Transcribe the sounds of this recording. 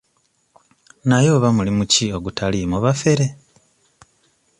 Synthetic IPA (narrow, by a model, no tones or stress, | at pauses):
najo̞ːβamulimucio̞ɡutʰalimuβafe̞ɾe